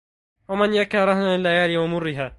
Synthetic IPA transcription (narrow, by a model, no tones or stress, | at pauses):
wamanjakaːɾˤɑhnaɪlːajaːlɪwamʊrːɪɦaː